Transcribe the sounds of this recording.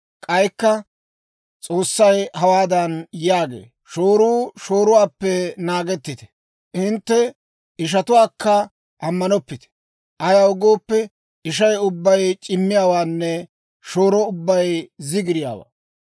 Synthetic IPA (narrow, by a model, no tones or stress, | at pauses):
kʼɐjkːɐ | t͡sʼoːsːɐjhɐwaːd̪ɐnjaːɡḛː | ʃoːɾuːʃo̞ːɾʊwaːpːɛnaːɡɛt̪ːɪt̪ɛ̥ | ʔɪnt̪ːɛ | ɪʃ̬ɐt̪ʊwaːkːɐ | ʔɐmːɐnɔpːɪt̪ɛ̥ | ʔɐjaʊɡoːpːɛ | ʔɪʃɐjʊbːɐjt͡ʃʼɪmːɪjaːwaːnːɛ | ʃoːɾɔʊbːɐjzɪɡɪɾɪja̰ːwa̰ː